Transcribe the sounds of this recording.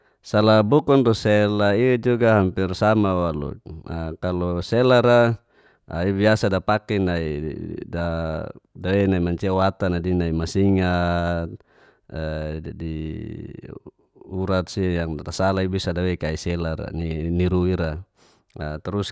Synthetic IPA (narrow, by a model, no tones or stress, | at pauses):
salabukɔndusɛlaid͡ʒuɡaɦampirsamawalṵakalɔsɛlaɾa | aibiasadapakɛnaḭda | dawɛnaimaɲt͡ʃiawat̪anadinaimasiŋa | di | uɾat̪̚sijaŋatasalaibisadawɛkaisɛlaɾa̰niniɾuiɾa | at̪ɛɾus